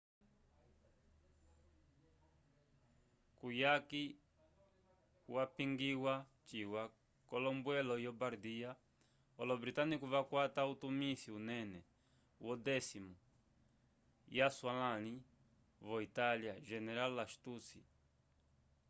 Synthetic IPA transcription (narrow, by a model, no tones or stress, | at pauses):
kujaki | wapiŋɡiwa | t͡ʃiwa | kɔlɔmbwɛlɔjɔbaɾd̪ia | ɔlɔbɾitanikuvakwatautumisiunɛnɛ | wɔd̪ɛsimu | jaswalani | vɔitaljaʒɛnɛɾalaʃt̪usi